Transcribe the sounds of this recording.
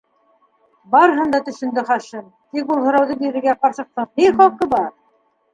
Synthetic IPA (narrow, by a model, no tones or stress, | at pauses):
bɑɾɤɦɤnd̪ɑt̪ɵ̆ʃɵ̆nd̪ɘχɑʃɤm | t̪ik̚ulˠɦŏɾɑwðɤbiɾɘ̆ɾɡæqɑɾsɤ̆q̚t̪ɤmniχɑlˠqɤbɑɾ